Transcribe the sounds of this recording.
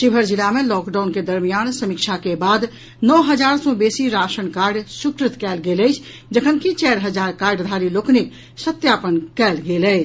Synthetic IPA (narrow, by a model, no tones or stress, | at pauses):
ʃɪbʱəɾd͡ʒɪlamẽlɔːkɖaʊnked̪əɾmijaːnsəmikʃʰakebaːd̪ | nɔɦəd͡ʒaːɾsɔ̃beːsiɾaːʃənkaːɾɖsʊkɾɪt̪kɛːlɡeːlət͡ʃʰ | d͡ʒəkʰənkʰit͡ʃɛːɾɦəd͡ʒaːɾkaːɾɖd̪ʱaːɾiloːknik̚ | sət̪jaːpənkɛːlɡeːləɪt͡ʃʰ